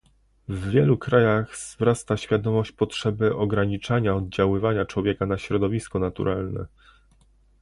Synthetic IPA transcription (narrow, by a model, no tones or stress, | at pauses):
vːʲjɛlukɾajaɣz̥vɾast̪aɕfʲjad̪ɔmɔɕt͡ɕpɔtʂɛbɘʔɔɡɾaɲit͡ʂaɲaɔd̪̚d͡ʑawɘvaɲat͡ʂwɔvʲjɛkanaɕɾɔd̪ɔvʲiskɔnat̪ṵɾʔalnɛ̰